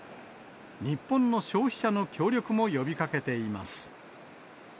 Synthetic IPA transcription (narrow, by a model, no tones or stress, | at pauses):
ɲ̟ipːõ̞nːo̞ɕo̞ːçi̥ɕano̞kʲo̞ːɾʲjo̞kɯ̟mo̞jo̞bʲikake̞t̪e̞ima̰sɨ̥